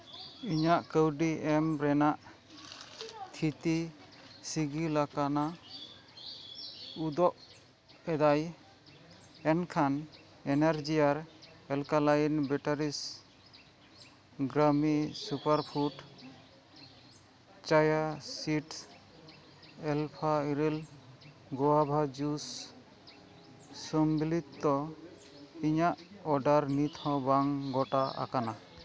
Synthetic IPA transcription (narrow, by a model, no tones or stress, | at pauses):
iɲaʔkəwɖiɛmɾɛnaʔ | t̪ʰit̪i | siɡilakana | ud̪ɔʔ | ɛd̪aj | ɛnkʰan | ɛnɛɾd͡ʒijaɾ | ɛlkalajnbɛʈaɾis | ɡɾamisupaɾpʰuʈ | t͡ʃajasiʈ | ɛlpʰaiɾel | ɡɔwabʱad͡ʒus | ɔmbilit̪ːɔ | iɲaʔɔɖaɾnit̪ʰɔ̃baŋɡɔʈaa̰kana